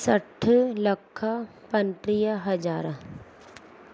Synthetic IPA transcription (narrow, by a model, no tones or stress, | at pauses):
sɐʈʰlɐkʰːapɐnʈɾijaɦɐd͡ʒaːɾ